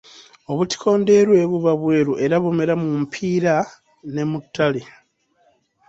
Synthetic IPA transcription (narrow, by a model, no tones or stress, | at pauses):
o̞βuti̥kʰo̞ːnde̞ɾwe̞ːβuβaβwe̞ːɾuʔe̞ɾaβome̞ɾamumpʰiːɾa | ne̞mutʰːale